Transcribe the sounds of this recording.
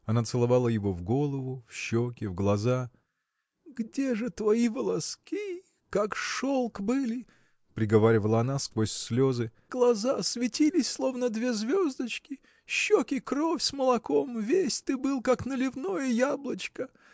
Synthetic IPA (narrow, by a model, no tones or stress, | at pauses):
ɐnat̪sɨlˠɐvalˠəjɪvovɡolˠəvʊfɕːokʲɪvɡlˠɐza | ɡdʲe̞ʐɨt̪vɐivəlˠɐskʲi | kakʂolˠkbɨlʲɪ | pɾʲɪɡɐvaɾʲɪvəlˠəɐnaskvosʲsʲlʲozɨ | ɡlˠɐzasvʲɪtʲilʲɪsʲslˠo̞vnəd̪vʲe̞zvʲozd̪ət͡ɕkʲɪ | ɕːokʲɪkɾofʲsməlˠɐkomvʲesʲt̪ɨbɨlˠkaknəlʲɪvno̞jəjablˠət͡ɕkə